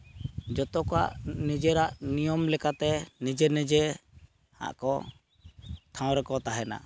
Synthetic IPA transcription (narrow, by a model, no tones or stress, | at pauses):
d͡ʒɔt̪ɔkɔa̰ʔnid͡ʒɛɾaʔnijɔmlɛkat̪ɛnid͡ʒɛnɛd͡ʒɛ | ha̰ʔkɔ̰ | t̪ʰãw̃ɾɛkɔt̪aɦɛna̰